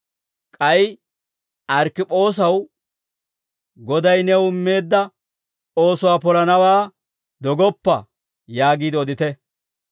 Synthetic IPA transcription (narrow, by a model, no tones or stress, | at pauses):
kʼɐj | ɐɾkɪpʼo̞ːs̬ɐw | ɡɔd̪ɐjnɛwʊmːe̞ːd̪ːɐ | o̞ːsʊwaːpɔlɐnɐwaː | d̪ɔɡɔpːɐ̰ | jaːɡiːd̪ɔd̪ɪt̪ɛ